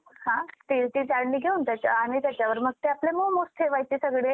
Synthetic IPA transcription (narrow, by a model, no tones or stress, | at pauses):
hãt̪iɾt͡ɕiːt͡ɕaɽniːɡʱeuːnt̪jat͡ɕja̰ːɽ̃it̪jat͡ɕjaʋəɾməɡ̚t̪eaplemomost̪ʰeʋajt͡ɕiːsəɡɽe